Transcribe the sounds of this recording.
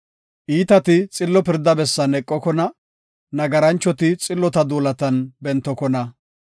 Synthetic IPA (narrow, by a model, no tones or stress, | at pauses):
ʔiːt̪ɐt̪ɪt͡sʼɪlːɔpɪɾd̪ɐbɛsːɐnɛkʼːɔkɔnɐ | nɐɡɐɾɐnt͡ʃːɔt̪ɪt͡sʼɪlːɔt̪ɐd̪uːlɐt̪ɐnbɛnt̪ːɔkɔnɐ